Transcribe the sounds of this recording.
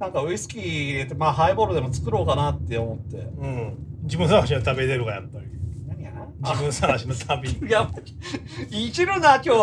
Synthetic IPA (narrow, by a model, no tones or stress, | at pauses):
nãŋkaɯ̟isɨ̥kʲiːet̪ːemaːɦaiboɾɯd̪e̞mo̞t͡sɨ̥kɯ̟ɾo̞ːkanat̪ːe̞omo̞t̪ːe̞̰ɯ̟̃d͡ʑibɯ̟̃sanaɕ̬iot̪abed̪eɾɯ̟ɡajat̪ːa | abɯ̃sanaɕinot̪ʰabʲijaa | it͡ɕibɯ̃nakʲoː